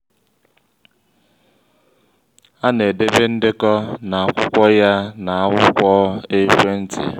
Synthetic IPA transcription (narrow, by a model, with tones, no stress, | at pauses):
a˦ne˨de˦be˦n̩˦dɪ˦kɔ˦na˨a˨kʷʊ˦kʷɔ˦ja˦na˨a˦wʊ˦kʷɔ˦e˦kʷe˦n̩˦tḭ˨